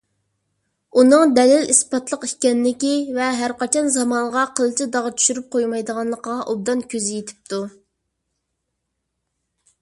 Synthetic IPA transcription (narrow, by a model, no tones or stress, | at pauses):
unɨŋd̪ɛlɪlispɑt̪lˠəqikʲɛnlɪkʲivɛɦæɾqɑt͡ʃʰɑnzɑmɑɴʁɑqʰəlˠɨt͡ʃʰid̪ɑʁt͡ʃʰy̥ʃyɾyp̚qʰojmɑjd̪əʁɑnlˠəqəʁɑʔob̚d̪ɑnkʲøzɪjet̪ʰɪ̥p̚t̪ʰu